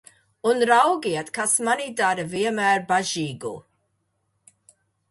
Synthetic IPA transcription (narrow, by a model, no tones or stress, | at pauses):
ʊnɾawɡiatkʰasmanidaɾəviəmɛrbaʒiːɡṵ